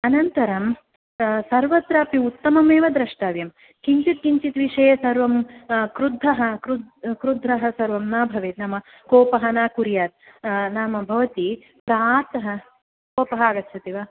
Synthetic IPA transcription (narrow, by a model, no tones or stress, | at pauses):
ɐnɐnt̪ɐɾɐm | sɐɾʋɐt̪ɾaːpiut̪ːɐmɐmeːʋɐd̪ɾɐʂʈaːʋjɐm | kiɲt͡ʃit̪̚kiɲt͡ʃit̪ʋiʂɐːjɐsɐɾʋɐmkɾud̪ʱːɐɦɐkɾud̪kɾud̪ʱːɾɐɦɐ̆sɐɾʋɐmnaːbʱɐʋeːt̪nɐmɐ | koːpɐɦɐnaːkuɾjaːt̪̚naːmɐbʱɐʋɐt̪i | pɾat̪ɐɦɐ | kkoːpɐɦɐaːɡɐt̪ːt͡ʃʰɐt̪iʋɐ